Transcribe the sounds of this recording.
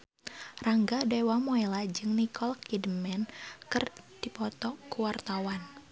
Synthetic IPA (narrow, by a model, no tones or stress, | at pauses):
raŋɡadawamoelad͡ʒɨŋnikʰɔlkidəmɛnkɨrd̥ipɔt̪ɔkuwart̪awan